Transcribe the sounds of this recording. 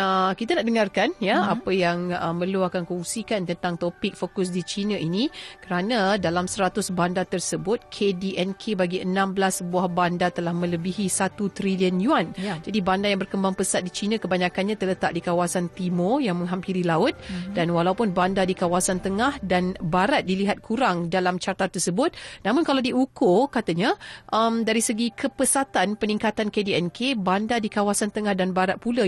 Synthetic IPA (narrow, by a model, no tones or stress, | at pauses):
əkit̪anaʔ̚dəŋarkanjaapəjaŋəməluakankɔŋsikant̪ənt̪aŋt̪opɪk̚fokʊs̬dit͡ʃinãʔinikəɾanãdalamsəɾat̪ʊsbandat̪ərsəbʊt̪̚kʰediʔɛnkʰebaɡiənãmbəlasbuahbandat̪əlahmə̃ləbiɦisat̪ut̪ɾiliənjuand͡ʒadibandajaŋbərkəmbaŋpəsat̪̚dit͡ʃinãkəbaɲãkanɲãt̪ələt̪aʔ̚dikawasant̪imojaŋmə̃ŋɦampiɾilaʊt̪̚danwalaupʊnbandadikawasant̪əŋahdanbaɾat̪̚diliɦat̪̚kʰuɾaŋdalamt͡ʃart̪at̪ərsəbʊt̪̚namʊ̃nkalawdiʔukʊkat̪əɲaʔəmdaɾisəɡikʰəpəsat̪anpənĩŋkat̪ankediɛnkʰebandadikawasant̪əŋahdanbaɾat̪̚pula